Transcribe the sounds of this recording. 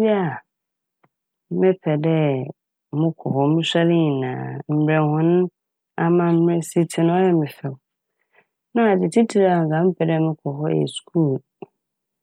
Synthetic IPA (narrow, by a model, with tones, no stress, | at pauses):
bi˦a˨ | mɪ̃˦pʰɛ˨dɛ˦ | mʊ̃˦kʰɔ˨ɦɔ˦mʊ̃˦ɕa˦ɾɪ̃˦˨nã̰ː˨m̩˨bɾɛ̃˨hʊ̃˦nʊ̃˦ | a˦mã˨m̩˦m˦ɾe˦si˦tʰɪ˨nʊ̃˦ɔ˦jɛ˦˨mɪ̃˨fɛ˨ | nã˦a˨d͡ʑɪ˨tʰi˦tʰi˨ɾa˨ŋ̩˨ka˨mɪ˦pʰɛ˨dɛ˦˨mɪ̃˦kʰɔ˨ɦɔ˦jɛ̰˨skʰuː˦˨l